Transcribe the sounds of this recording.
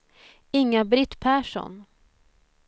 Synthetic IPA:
ɪŋːabɾɪt̪ːpʰæːʂɔ̰n

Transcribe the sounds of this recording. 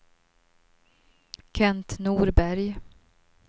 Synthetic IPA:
kʰɛnt̪nuːɾbæɾj

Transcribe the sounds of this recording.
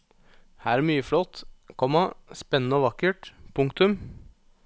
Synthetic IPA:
hæːɾæmyːəflɔt̪ːkʰɔmːɑspɛnənəɔːʋɑkːəʈpʰʊŋkt̪ʉm

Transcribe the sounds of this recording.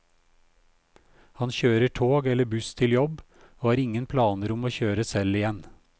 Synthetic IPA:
hɑnçøːɾəʈʰoːɡɛləbʉst̪ʰɪljɔb | oːhɑːɾɪŋənpʰlɑːnəɾʊmoːçøːɾəsɛlɪjɛn

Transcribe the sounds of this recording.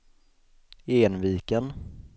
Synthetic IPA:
eːnviːkən

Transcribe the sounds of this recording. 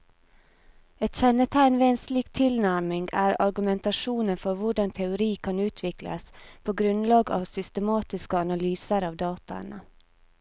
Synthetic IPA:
ɛt̪çɛnət̪ʰæɪnʋeːensliːkt̪ʰɪlnæɾmɪŋɡæːɾɑɾɡʉmɛnt̪ɑʂuːnənfɔɾʋʊɖɑnt̪ʰɛʊɾiːkʰɑnʉːt̪ʰʋɪklə̰spʰoːɡɾʉnlɑːɡɑ̰ːʋsʏst̪əmɑːt̪ɪskəɑnɑlyːsəɾɑːʋd̪ɑːt̪ɑə̰nə

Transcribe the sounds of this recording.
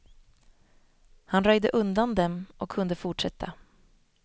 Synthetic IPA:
hanɾœjd̪əʔɵnd̪and̪ɛmʔɔkʰːɵnd̪əfʊʈʂɛt̪ʰːa

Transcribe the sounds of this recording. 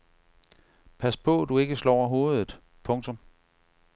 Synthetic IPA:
pʰæspʰɔ̽d̥ue̝ɡ̥əslɒʊ̰ɐɦo̝ːð̞̩ˠð̩ˠ | pʰɔ̽ŋt͡sʰɔ̽m

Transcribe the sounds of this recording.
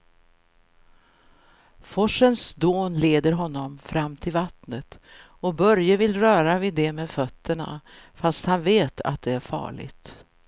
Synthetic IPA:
fɔʂənsd̪oːnleːd̪əɾɦɔnːɔmfɾamːt̪ʰɪlvat̪nət̪ | ɔbœɾjəvɪlɾœːɾavɪd̪ɛmeːd̪fœt̪ʰːəɳa̰fast̪hanveːt̪ʰa̰t̪̚d̪ɛæɾfɑ̰ːɭɪ̰ɡt̪

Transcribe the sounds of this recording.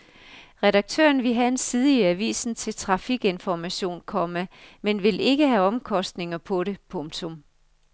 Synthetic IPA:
ʁɛɾɑ̈ɡ̥̚t͡sʰø̰ːɐnʋe̝ɦæensið̞ˠiiæʋḭːsn̩t͡sʰe̝lt͡sʰʁɑ̈fiɡ̥e̝nfɒmæɕo̝̰ːnkʰɒ̽məmenʋe̝le̝ɡ̥əɦæɒ̽mkʰɒ̽sd̥ne̝ŋɐpʰɒ̽ɾe̝pʰɔ̽ŋ̥t͡sʰo̽m

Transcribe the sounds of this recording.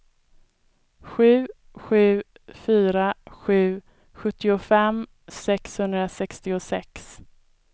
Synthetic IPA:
ɧʉ̟ː | ɧʉ̟ː | fyːɾaɧʉ̟ː | ɧɵt̪ːɪʊfɛm | sɛkshɵnd̪ɾasɛkst̪ɪʊsɛ̰ks

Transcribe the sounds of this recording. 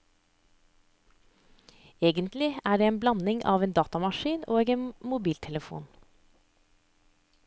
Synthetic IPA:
eːɡənt̪lɪæːɖeːeːnblɑnɪŋʔɑ̰ːʋeːnd̪ɑːt̪ɑmɑʃiːnoːɡeːnmʊbiːlt̪ʰɛləfṵːn

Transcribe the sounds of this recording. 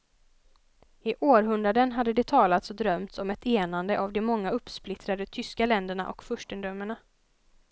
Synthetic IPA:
ɪʔoːɾɦɵnd̪ɾad̪ənɦad̪ːəd̪ɛt̪ʰɑːlat̪sɔd̪ɾœmt̪sɔmɛt̪ʰeːnand̪əʔavd̪ɛmɔŋːaɵpːsplɪt̪ɾad̪ət̪ʰʏskalɛnd̪əɳa̰ʔɔ̰kfɵʂʈənd̪ɾœmːəɳa

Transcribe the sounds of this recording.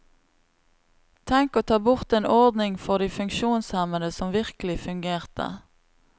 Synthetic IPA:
t̪ʰɛŋkoːt̪ʰɑːbʊʁt̪eːnɔʁd̪nɪŋfɔʁd̪iːfʉŋkʃuːnshɛmənəsɔmʋɪʁkəlɪfʉŋɡeːʁt̪ʰə̰

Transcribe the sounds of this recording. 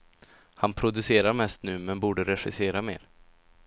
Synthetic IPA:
hanpʰɾʊd̪ɵseːɾaɾmɛst̪nʉ̟ːmɛnbuːɖəɾɛɧɪseːɾameːɾ

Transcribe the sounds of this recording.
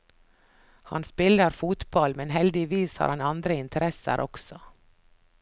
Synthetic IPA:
hɑ̰nspɪləɾfuːt̪bɑlmɛnɦɛld̪ɪʋiːshɑ̰ːɾhɑnɑnd̪ɾəɪnt̪ʰəɾɛsə̰ɾʔɔksɔ

